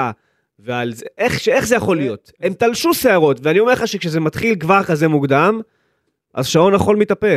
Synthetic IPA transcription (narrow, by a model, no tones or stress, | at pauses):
vealzeʔeχʃee̞χzejaχo̞lijo̞t | e̞mt̪alʃuseaʁo̞tveanio̞me̞χaʃekʃezemat̪χilkvaʁkaze̞muɡd̪am | ʔa̰zʃao̞naχo̞lmit̪ape̞